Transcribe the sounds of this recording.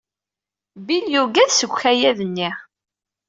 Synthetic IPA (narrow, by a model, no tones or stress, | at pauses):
biljuɡæðsəɡʷçæjæðənːi